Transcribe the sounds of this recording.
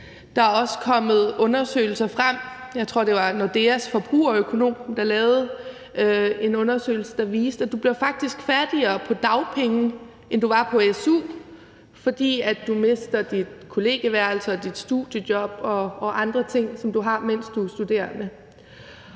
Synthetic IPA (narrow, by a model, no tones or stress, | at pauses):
d̥ɑ̈æɒ̽sə̥kʰɒ̽m̰ð̩ˠɔ̽nɐsø̰ːɪl̩sɐfʁam̰jɑ̈ɪt͡sʰʁo̝ɐ̰d̥e̝ʋɑ̈nɒd̥e̝æsfɒ̽b̥ʁṵːɒ̽økʰo̝no̝̰ːmd̥ɑ̈lɛːʊð̩ˠ | e̝nɔ̽nɐsø̰ːɪl̩səd̥ɑ̈ʋiːsd̥æd̥ub̥liɐfɑ̈ɡ̥̚d̥isɡ̥fæɐd̥iɐːpʰɒ̽d̥ɑ̈ʊpʰeŋn̩ | end̥uʋɑ̈pʰɒ̽esṵː | fɒ̽d̥ḭːæd̥d̥ume̝sd̥ɐd̥id̥kʰo̝le̝ːɡ̥əʋæɐ̰lsɐd̥id̥sd̥ud̥jə̥jɒ̽b̥ɒ̽ɒ̽ʔɑ̈nd̥ʁɐt͡sʰe̝ŋ̰sɒ̽md̥uɦɑ̈men̰sd̥usd̥ud̥e̝̰ːɐnə